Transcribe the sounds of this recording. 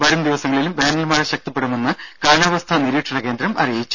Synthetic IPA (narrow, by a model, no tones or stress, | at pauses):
ʋɐɾumd̪iʋɐsɐŋːɐɭilumbaːnɐlmaːreɕɐk̚t̪ipːeɽɐme̞nːɨkaːɳaːʋɐst̪ʰɐniɾiːʈʂɐɳɐke̞ːnd̪ɾɐmɐ̰rijit͡ɕːu̥